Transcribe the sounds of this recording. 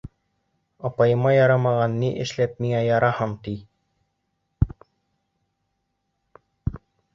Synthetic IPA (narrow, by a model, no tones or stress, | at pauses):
ɑpɑjɤ̆mɑjɑɾɑmɑʁɑnːiʔɘ̆ʃlæp̚miŋæjɑɾɑhɤɴt̪i